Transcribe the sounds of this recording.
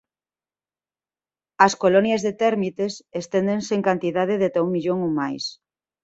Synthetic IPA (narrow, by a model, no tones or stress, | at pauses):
ɐskolonjazðet̪ɛɾmit̪esest̪end̪enseŋkant̪iðað̞eðet̪auŋmiʎoŋomajs